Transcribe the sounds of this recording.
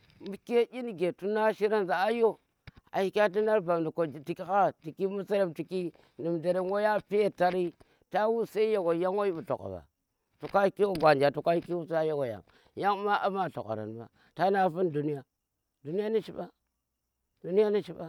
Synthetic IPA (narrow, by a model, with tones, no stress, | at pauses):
mi˦ke˦ji˦n˨ɡe˨tu˦na˦ʃi˦ɾa˦nza˨a˦jo˦ | a̰˨hi˨kʲa˦t̬i˦na˦ɾba˨mdi˨ko˨ti˨ki˦ka˦ti˨ki˦mu˦sa˦ɾa˦˨mti˨ki˦ | ni˨mde˨ɾe˦wo˦ja˦pe˦˨ta˦ɾi˦ | ta˦wu˦sa˦i˦ja˨ɡo˨ja˦ŋwo˦ji˦bu˨to̰˨ka̰˨ba̰˨ | tu˨ka˦i˦ki˦wo˦ɡʷa˨nd͡ʒa˨tu˨ka˦hi˦ki˦wu˦sja˦ja˦ɡo˨ja̰˨ŋ | ja˦ŋ˦ma˦ʔa˦ma˦˨to̰˨ka̰˨ɾa̰˨n˨ba̰˨ | ta˦na˦fu˦ndu˨ni˦ja˨ | du˨ni˦ja˦ni˦ʃḭ˦ba˦ | du˦ni˦ja˦ni˦ʃi˦ba˦